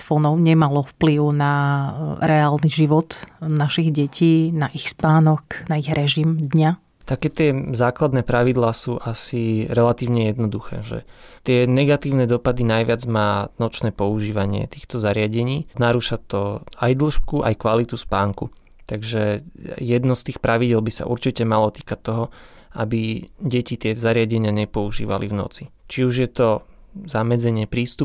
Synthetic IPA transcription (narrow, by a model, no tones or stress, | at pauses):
fɔnɔʊɲɛmalɔfpliʊna | ɾɛaːlniʒiʋɔt̪naʃiɣɟɛcʰiːnaʔixspaːnɔknaiɣɾɛʒimd̪ɲa | t̪akɛːt̪ɪɛzaːklad̪nɛːpɾaʋid̪laːsuːʔasiɾɛlat̪iːʊɲɛjɛd̪nɔd̪uxɛ̰ːʒɛ̰t̪ɪɛnɛɡat̪iːʊnɛd̪ɔpad̪inajʋɪad͡zmaːnɔt͡ʃnɛːpɔuʒiːʋaɲɪɛ̰t̪i̥ːxt̪ɔzaɾɪaɟɛɲiːnaɾuʃat̪ɔajd̪l̩ʃkuʔa̰jkʋalit̪uspaːŋku | t̪aɡʒɛjɛd̪nɔst̪iːxpɾaʋiɟɛlbisa̰ʔuɾt͡ʃicɛmalɔt̪i̥ːkat̪ːɔɦɔ | abiɟɛcit̪ɪɛzaɾɪaɟɛɲɪaɲɛpɔuʒḭːʋa̰lḭvnɔ̰t͡sit͡ʃiuʒjɛt̪ɔ | zamɛd͡zɛɲɪɛpɾiːst̪up